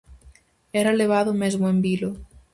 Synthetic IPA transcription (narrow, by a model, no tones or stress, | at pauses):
eɾaeleβ̞aðomezmoembilo